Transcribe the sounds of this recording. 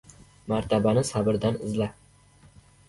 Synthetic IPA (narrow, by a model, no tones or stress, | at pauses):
maɾt̪ʰabanɪsabɪɾd̪anɪzla